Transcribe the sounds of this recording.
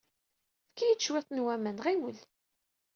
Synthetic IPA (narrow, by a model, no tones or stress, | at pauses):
fkːijət͡sːʃwɪt̪ˤnwæmænʁiwəl